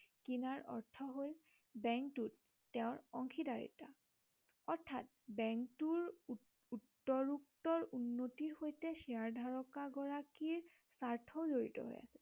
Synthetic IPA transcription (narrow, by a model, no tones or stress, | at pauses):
kinaɹɔ̰ɹtʰɔɦol | bɛŋktutː | ɛʊ̃ɹɔŋkʰidaɹḭta̰ | ɔɹtʰːat̚ | bɛŋktuɹ | utːɔɹuk̚tɔɹunːotiɹxojtɛsiaɹdʱaɹɔkaɡɔɹakiɹ | saɹtʰɔzoɹḭtɔ̰ɦo̰ja̰sɛ